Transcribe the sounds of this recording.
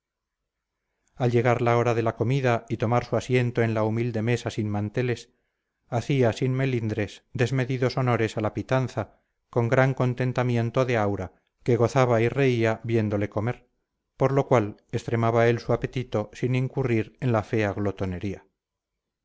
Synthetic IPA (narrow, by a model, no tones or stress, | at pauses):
alʝe̞ɣ̞aɾlao̞ɾaðe̞lako̞miðait̪o̞maɾsuasje̞nt̪oe̞nlaumild̪e̞me̞sasinmant̪e̞le̞s | aθiasinme̞lind̪ɾe̞sd̪e̞zme̞ðiðoso̞no̞ɾe̞salapit̪anθa | ko̞ŋɡɾaŋko̞nt̪e̞nt̪amje̞nt̪o̞ðe̞awɾa | ke̞ɣ̞o̞θaβaire̞iaβje̞nd̪o̞le̞ko̞me̞ɾ | po̞ɾlo̞kwale̞st̪ɾe̞maβae̞lsuape̞t̪it̪osiniŋkuriɾe̞nlafe̞aɣlo̞t̪o̞ne̞ɾia